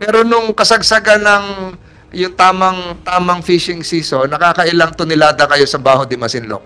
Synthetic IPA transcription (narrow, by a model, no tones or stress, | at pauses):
pɛːɾo̞nʊŋkɐsɐɡ̚sɐɡanɐŋ | jʊŋt̪aːmɐŋt̪aːmɐŋfiʃɪŋsiːso̞nːɐkaːkɐʔɪlaŋt̪ʊnɪlaːd̪ɐkɐjo̞sɐbaːɦod̪ɪmɐsɪnlo̰k̚